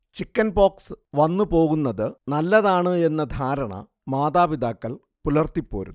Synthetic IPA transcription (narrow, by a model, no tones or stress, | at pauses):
t͡ɕikːɐnbo̞ːksʋɐnːɨpo̞ːɣunːɐðɨnɐlːɐðaːɳɨe̞nːɐd̪ʱaːɾɐɳɐ̰ | maːðaːʋid̪aːkːɐɭ | pulɐrt̪ipːo̞ːɾṵ